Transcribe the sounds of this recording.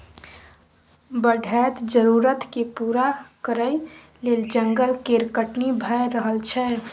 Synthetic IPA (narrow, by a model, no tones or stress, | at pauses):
bəɖʱɛːt̪d͡ʒəɾuːɾət̪kepuːɾakəɾəi | leːld͡ʒə̃ŋɡəlkeɾkəʈnibʱəjɾəɦəlt͡ʃʰɛ